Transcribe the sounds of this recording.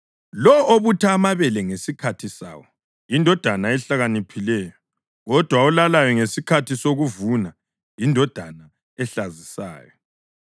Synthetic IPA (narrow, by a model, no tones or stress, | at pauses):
lɔoβutʰaːmaβɛlɛŋesikʰatʰisa̰ːwɔ | indʱɔd̥ʱanaɛɬaɣanipʰilɛːjɔ | ɣɔd̥ʱwaɔlalajɔŋesikʰatʰisoɣuvuna | indʱɔd̥ʱana | ɛɬazisa̰ːjɔ